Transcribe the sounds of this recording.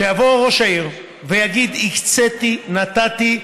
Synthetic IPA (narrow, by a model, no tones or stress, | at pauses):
ejavoʁo̞ʃaiʁ | vejaɡid̪ikt͡set̪inat̪at̪i